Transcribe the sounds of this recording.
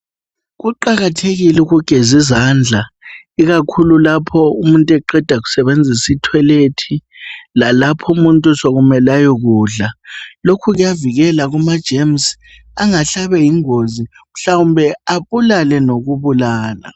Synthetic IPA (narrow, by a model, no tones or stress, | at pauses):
ɣuǃaɣatʰeɣilɛuɣuɡ̥ʱezizand͡ɮʱa | iɣakʰululapʰɔumuntʼɛǃɛd̥ʱaɣu̥sɛβend͡zʱisitʰwɛletʰi | lalapʰɔumuntʼusoɣumɛlajɔɣuːɮalokʰuɣujaviɣɛlaɣumad̥ʒ̥ʱems | aŋaɬaβɛjiŋozi | m̩ɬawumbʱɛaβulalɛnoɣuβulaːla̰